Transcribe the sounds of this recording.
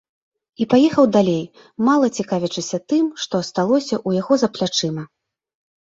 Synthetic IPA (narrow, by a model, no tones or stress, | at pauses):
ipajɛxɐwd̪alʲej | malˠɐt͡sʲikavʲit͡ʂɨsʲɐt̪ɨmʂt̪ɔɐst̪alˠɔsʲɐʔujaɣɔzɐplʲat͡ʂɨmɐ